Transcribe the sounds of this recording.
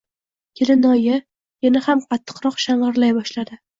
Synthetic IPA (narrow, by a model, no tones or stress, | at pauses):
kʲʰelɪnɒjɪ | janahamqʰɑt̪ʰːɨ̥qɾɒqʃaɴʁɨɾlajbɒʃlad̪ɪ